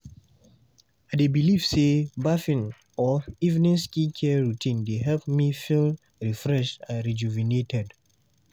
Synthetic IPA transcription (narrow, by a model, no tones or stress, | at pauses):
adebilivsebafĩn | ɔivnĩskikʰɛɹutʰĩndeɦɛlpmifil | ɹifɹɛʃtãnɹid͡ʒuvinetʰɛd